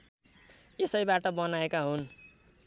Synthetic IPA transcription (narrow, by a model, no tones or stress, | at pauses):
esʌjbaʈʌbʌnaekaɦun